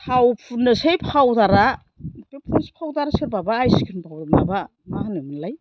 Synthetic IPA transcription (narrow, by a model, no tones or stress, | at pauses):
pʰawpʰunɯsejpʰawdaɾa | pepʰunspʰawdaɾaskʰɯɾbabaːjsi̥kʰɯnbʰawɾɯmaba | mahanɯmɯnlaj